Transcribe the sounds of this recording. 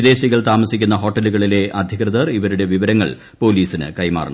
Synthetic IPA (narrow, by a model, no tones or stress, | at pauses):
id̪e̞ːɕiɣɐɭt̪aːmɐsikʲːunːɐɦo̞ːʈːɐluɣɐɭile̞ʔɐd̪ʱjiɣrɐðɐriʋɐɾuɽe̞ʋiʋɐɾɐŋːɐ̰ɭ | po̞ːliːsinɨ̰kɐjma̰ːrɐɳɐ̰